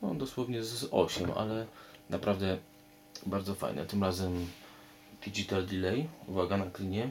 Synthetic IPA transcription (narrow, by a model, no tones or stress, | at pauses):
nɔ̰d̪ɔswɔvɲɛzɔ̰ɕɛmʔa̰lɛnʔapɾavd̪ɛ | baɾd̪zɔfa̰jnɛ̰t̪ɘmɾazɛm | d̪̥ʲid͡ʒit̪ald̪ilɛjuvaɡanaklʲiɲɛ